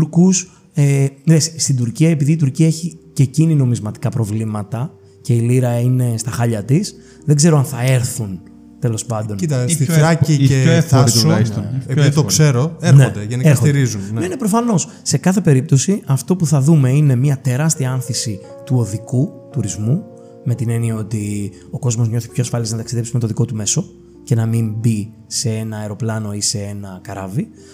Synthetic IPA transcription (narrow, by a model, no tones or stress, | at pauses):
ɾkus | eɾesst̪id̪uɾciɐe̞piðiːt̪̬uɾciɐeçicecinino̞mizmɐt̪i̥kɐpɾo̞vlimɐt̪ɐ | ce̞iliɾɐine̞st̪ɐxɐʎɐt̪is | ðe̞ɡze̞ɾoɐnθɐe̞ɾθun | t̪e̞lo̞spɐnd̪o̞nit̪ɐst̪ifɾɐciefoɾisoepiðiit̪okse̞ɾoeɾnxed̪eʝenikeɾsxoiɾizuneinepɾo̞fɐno̞s | se̞kɐθe̞pe̞ɾip̚t̪o̞siʔɐft̪o̞puθɐðume̞ine̞miɐt̪e̞ɾɐst̪iɐɐnθisi | t̪uo̞ðikut̪uɾizmu | me̞t̪ine̞niɐot̪i | o̞ko̞zmo̞zmɲo̞θi̥pço̞ɐsfɐliznɐt̪ɐksiðe̞psime̞t̪o̞ðiko̞t̪ume̞so̞ | ce̞nɐmimbi | se̞e̞nɐːeɾo̞plɐno̞ise̞e̞nɐkɐɾɐ̰vi